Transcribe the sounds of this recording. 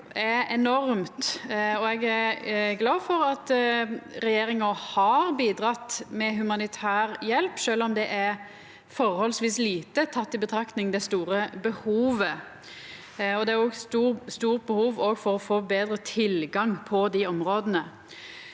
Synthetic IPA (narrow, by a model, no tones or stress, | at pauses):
ɛɛnɔɾmt̪ɔɛɡæɾɡlɑːʋfɔɾɑt̪ | ɾɛjeːɾɪŋɑhɑɾbiːd̪ɾɑt̪ːmɛɦʉmɑnɪt̪ʰæːɾjɛlpʃøːlɔmd̪ɛʔæɾ | fɔɾhɔlsʋiːsliːt̪ət̪ʰɑt̪ːɪbət̪ʰɾɑkt̪nɪŋd̪ɛst̪uːɾəbəhuːʋə | ɔd̪ɛæɾɔːɡst̪uːst̪uːʁt̪̚bəhuːʋoːɡfɔɾɔfoːbeːd̪ɾət̪ʰɪlɡɑŋpʰɔd̪ɪɔmɾoːd̪ənə